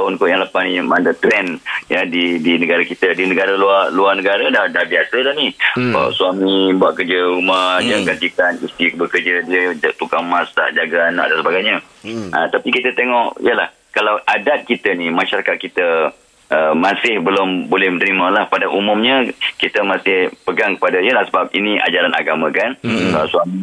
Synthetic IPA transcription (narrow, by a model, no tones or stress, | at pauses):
t̪aʊnkojaŋlapahnimandət̪ɾɛnjadidinəɡaɾakit̪ədinəɡaɾaluarluarnəɡaɾadahdahbiasəlahniə̰suamibuaʔ̚kərd͡ʒəumahhd͡ʒaɡard͡ʒikanist̪ikbəkərd͡ʒədiəd͡ʒaʔt̪ukaŋmãsta̰ʔd͡ʒaɡaana̰ʔ̚dansəbaɡajɲa | ət̪apikit̪ət̪eŋɔʔj̰əlah | kalawʔadat̪̚kit̪ənimãʃaɾakat̪̚kit̪ə | ʔəmãsɪhbəlʊmbolɛhmənəɾimãlahpadaʔumʊ̃mɲə̃kit̪əmãsɪhpəɡaŋkə̥padajəlahsəbap̚iniʔa̰d͡ʒaɾanʔa̰ɡamãkankalaswami